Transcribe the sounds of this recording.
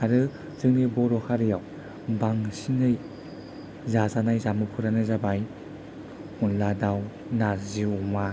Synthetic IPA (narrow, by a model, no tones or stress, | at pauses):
aɾɯ | zɯŋnibɔɾɔhʰaɾɯjaw | baŋsinɯj | zazanajzamɯpʰɯɾanɯzabaj | unladaw | naɾziuma